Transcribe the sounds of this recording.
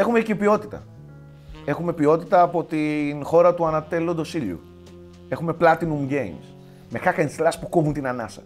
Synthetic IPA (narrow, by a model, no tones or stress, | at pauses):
e̞xumecipio̞t̪i̥t̪ɐ̰ | e̞xume̞pio̞t̪it̪ɐːpo̞t̪inxo̞ɾɐt̪uɐnɐt̪e̞lond̪o̞siʎḭṵ | e̞xume̞plɐt̪inumɟejms | me̞xakɐinslɐspukovunt̪inɐnɐsɐ̥̰